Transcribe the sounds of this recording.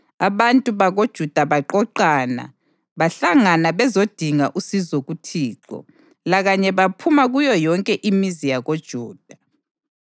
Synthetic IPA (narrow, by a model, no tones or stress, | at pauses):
aβantʼuβaɣod̥ʒ̥ʱud̥ʱaβaǃɔǃaːna̰ | βaɬaŋanaβɛzod̥ʱiŋaʔusizoɣutʰiːǃɔ̰ | laɣaɲɛβapʰumaɣujɔjɔŋkʼɛʔimizijaɣod̥ʒ̥ʱuːd̥ʱa